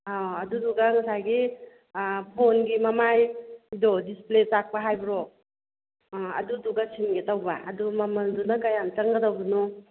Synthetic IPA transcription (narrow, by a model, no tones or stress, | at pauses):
aɐduduɡaŋɐsajɡi | pʰonɡimɐmajidɔdispletak̚paɦajbɾɔ | ɐ̰duduɡasʰinɡetawbaʔɐ̰dumɐmɐldunakajamt͡ʃɐŋɡɐdawbɐnu